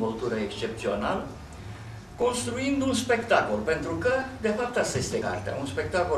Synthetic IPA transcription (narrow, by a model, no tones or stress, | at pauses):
molt̪uɾəekst͡ʃe̞p̚t̪sio̞nalə | ko̞nst̪ɾuind̪unspe̞kt̪akolpe̞nt̪ɾukəd̪e̞fap̚t̪ast̪ajest̪eka̰rt̪ea̰unspe̞k̚t̪ako